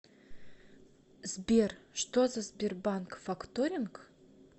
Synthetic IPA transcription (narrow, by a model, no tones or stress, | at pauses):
zbʲerʃt̪ozazʲbʲerbankfakt̪oɾʲɪnk